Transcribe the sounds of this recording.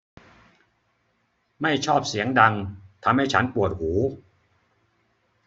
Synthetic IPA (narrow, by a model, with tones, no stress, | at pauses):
ma˥˩jt͡ɕʰɔː˥˩p̚si˩˦əŋda˧ŋt̪ʰa˧mha˥˩jt͡ɕʰa˦˥npu˨˩ət̪̚huː˩˦